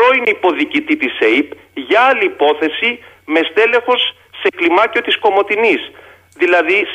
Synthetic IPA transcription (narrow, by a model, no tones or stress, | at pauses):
o̞ineipo̞ðicit̪it̪isejp | ʝɐɐliːpo̞θe̞si | mest̪e̞le̞xo̞sː | e̞klimɐcio̞t̪isko̞mo̞t̪inis | ðilɐði